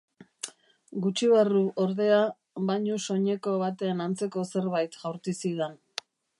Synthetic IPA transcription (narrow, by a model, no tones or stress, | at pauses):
ɡut͡ʃiβaruʔoɾðe̞a | βaɲuso̞ɲe̞ko̞βat̪e̞ːnant͡se̞ko̞se̞ɾβajt̪ʝawɾt̪isiðen